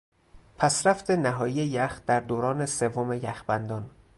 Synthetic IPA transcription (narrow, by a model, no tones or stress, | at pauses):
pʰæsɾæft̪ʰe̞næɦɒːjijejæxd̪̥æɾd̪oːɾɒːne̞se̞vːome̞jæxbænd̪ɒːn